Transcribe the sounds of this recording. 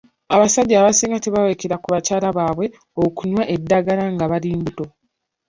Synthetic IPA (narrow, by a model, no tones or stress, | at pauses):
aβasaɟːaːβasiːŋɡate̞βawekeɾakuβacaːlaβaːβwe̞ | okuɲwaʔe̞dːaɡalaŋɡaβaɾiːmbuto̞